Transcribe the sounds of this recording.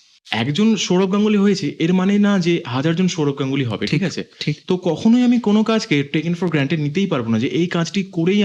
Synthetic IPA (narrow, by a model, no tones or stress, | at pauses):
ɛ̰kd͡ʑonʃoɽop̚ɡãŋɡuliɦojet͡ɕʰeʔeɾmanenad͡ʑeɦad͡ʑaɾd͡ʑonʃoɽob̚ɡãŋɡuliɦɔ̰bḛʈʰikat͡ɕʰḛʈʰit̪okɔkʰonojamikonokãd͡ʑʱkeʈekiŋfɔɾɡɾaɳʈeɖnit̪ejpaɾbonad͡ʑeʔejkãd͡ʑʈikoɾej